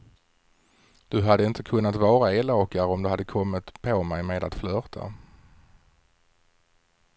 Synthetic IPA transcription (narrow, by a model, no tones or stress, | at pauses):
d̪̥ɵɦad̪ːəɪnt̪əkʰɵnːat̪vɑːɾaeːloːkaɾɔmd̪ɵhad̪ːəkʰɔmːɪt̪pʰomɛjmeːd̪at̪flœːʁt̪ʰa̰